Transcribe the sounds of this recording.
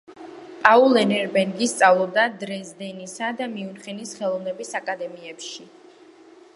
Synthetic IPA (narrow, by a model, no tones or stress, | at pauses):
pʼaulˠɛnɛɾbɛŋɡist̪sʼavlˠɔb̚d̪ad̪ɾɛzd̪ɛnisad̪amiunχɛnisχɛlˠɔvnɛbisakʼad̪ɛmiɛpʃi